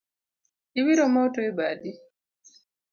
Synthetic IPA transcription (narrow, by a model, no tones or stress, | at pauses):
iβiɾomotoebadi